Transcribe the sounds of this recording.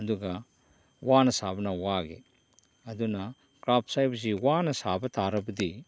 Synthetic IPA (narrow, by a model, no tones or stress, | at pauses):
ɐduɡɐ | wanɐsabɐnɐwaɡḛ | ɐdunɐ | kɾap̚ʰsajbsiwanɐsabɐtʰaɾɐbɐdi